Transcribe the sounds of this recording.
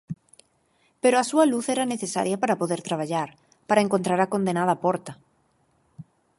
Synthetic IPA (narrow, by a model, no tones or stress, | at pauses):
peɾoasualuθeɾaneθesa̰ɾjapaɾapoðeɾt̪ɾaβ̞aʎaɾ | paɾaeŋkont̪ɾaɾako̞nd̪enað̞apoɾt̪a